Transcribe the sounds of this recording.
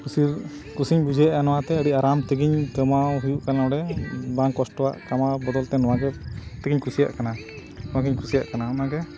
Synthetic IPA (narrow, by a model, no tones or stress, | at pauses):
kusi | kusiɲbud͡ʒɛjaʔanɔwat̪ɛəɖiʔaɾamt̪əɡiɲkəmaɦujuʔkanaɔɽɛbaŋkɔsʈɔwa̰ʔkamabɔd̪ɔlt̪ɛnɔwaɡɛt̪ɛɡiɲkʰusija̰ʔkana | nɔwaɡiɲkʰusija̰ʔkanaɔmaɡɛ